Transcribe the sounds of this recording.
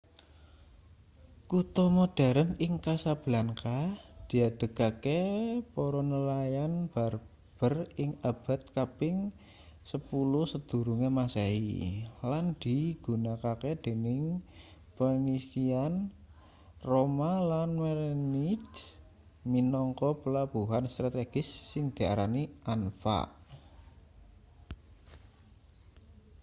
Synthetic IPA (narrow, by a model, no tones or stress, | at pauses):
kut̪ɔmod̥aɾənɪŋkasab̥laŋkad̪̥i̤ad̪̥ə̤kakepɔɾɔnəlajanb̥ar | b̥ərɪŋab̥a̤t̪̚kapɪŋ | səpulusəd̪̥ṳɾuŋemaseḭland̪̥iɡ̥ṳnakaked̪̥e̤nɪŋ | pənisian | romalanmernid | minɔŋkɔpəlab̥uɦanst̪ɾat̪eɡ̥ɪsːɪŋd̪̥i̤a̰ɾaniʔanfa̰ʔ